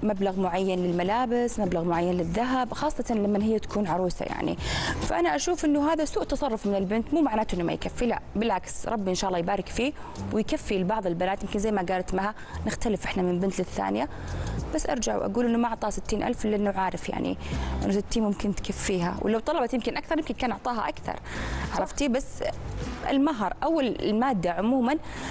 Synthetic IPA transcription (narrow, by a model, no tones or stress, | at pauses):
mablaɣmʊʕajːanlɪlmalaːbɪsmablaɣmʊʕajːanlɪðːaɦabxɑːsˤːɑt̪nlamːanhɪjːat̪ḁkʰuːnʕɑɾˤuːsa̰ja̰ʕnḭfa̰ʔanaʔaʃuːfʔɪnːʊɦaːðasuːʔt̪ɑsˤɑrˤːʊfmɪnɪlbɪnt̪muːmaʕnaːt̪ʔɪnːuma̰jkafːilaʔbɪlʕaksɾˤɑbːiʔɪnʃaːʔlːɑːjbaːɾɪkfiː | wɪjkafːilbɑʕðˤɪlbɪnaːt̪jɪmkɪnzajːmaɡaːlt̪maha | nɪxt̪alɪfʔɪħnamɪnlbɪnt̪lɪθːa̰ːnɪja | b̥asːʔɑ̰ɾˤd͡ʒaʕwʔa̰ɡuːlʔɪnːumaʔʊʕt̪ˤɑːhsɪt̪ːiːnʔa̰lfʔlːʔɪnːʊʕaːɾɪfja̰ʕnḭʔɪ̰nːʊsɪt̪ːiːnmʊmkɪnt̪kafːiːɦa̰wlawt̪ˤɑlɑbɑt̪jɪmkɪnʔakθɑɾˤjɪmkɪnkaːnʔʊʕt̪ˤɑːɦa̰ʔakθɑ̰ɾˤʕɑɾˤɑft̪ibasː | ɪ̰lmaɦɑɾˤʔawːal̰lmaːd̪ːaʕʊmuːman